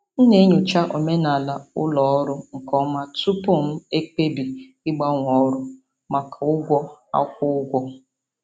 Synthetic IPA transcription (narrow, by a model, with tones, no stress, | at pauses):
n̩˦ne˦ɲu˨t͡ʃa˦ʔo˨me˦na˨la˨ʊ̰˦lɔ˨ɔ˦ɾʊ˦ŋ̩˨kɔ˦ma˦tu˦po˦˨m̩˦e˦k͡pe˦bi˨ | ɪ˦ɡ͡ba˦ŋʷ˨ɔ˨˦ɾʊ˦ | ma˨ka˨ʊ˦ɡʷɔ˦a̰˦kʷʊ˦ʊ˦ɡʷɔ˦